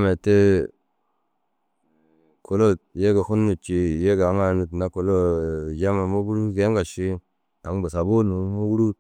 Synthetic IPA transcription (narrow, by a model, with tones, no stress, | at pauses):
me˨te˦ | ko˨lo˦je˦ɡe˨ku˦nːu˨t͡ʃi˨je˦ɡa˨ŋa˨nu˨tna˨˦ko˨lo˦˨d͡ʒa˦me˨mo˦ɡu˦ɾu˦ɡe˨˦ŋɡa˨ʃi˦ | a˨ŋbu˨sa˨bo˦nu˨mo˦ɡu˦ɾu˦